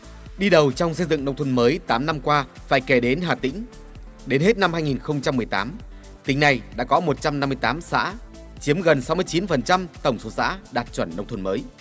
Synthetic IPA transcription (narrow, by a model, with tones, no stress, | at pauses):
ɗi˧ɗə˨˩wt͡ɕɔ˧wŋ͡msə˧jzɨ̰˧˨ŋɗə˧wŋ͡mt̪ʰwə˧nməː˨˦jt̪aː˨˦mna˧mkwaː˧ | faː˧˩jke˧˩ɗe˨˦nɦaː˨˩t̪ḭ̈˧˥ŋ̟ | ɗe˨˦nhe˦˥t̚na˧mhaː˧jŋi˨˩nxə˧wŋ͡mt͡ɕa˧mː˨˩əjt̪a̰ː˨˦m | t̪ï˨˦ŋ̟na˨˩jɗa̰ː˧˥kɔ˨˦mo˨˩t̚t͡ɕa˧mna˧mːɨ˧əjt̪aː˨˦msa̰ː˧˥ | t͡ɕi˨˦əmɣə˨˩nsa˨˦wmɨ˧əjt͡ɕi˨˦nfə˨˩nt͡ɕa˧mt̪ə˧˩wŋ͡mso˨˦sa̰ː˧˥ɗaː˨˩t̚t͡ɕwə˧˩nɗə˧wŋ͡mt̪ʰə˧nməː˨˦j